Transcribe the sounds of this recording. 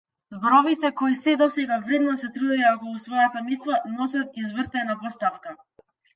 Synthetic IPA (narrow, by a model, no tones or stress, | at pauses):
zbɔɾɔvit̪ɛkɔisɛd̪ɔsɛɡavɾɛd̪nɔsɛt̪ɾud̪ɛjaɔkɔlˠusvɔjat̪amislˠanɔs̬at̪̚izvərt̪anapɔst̪afka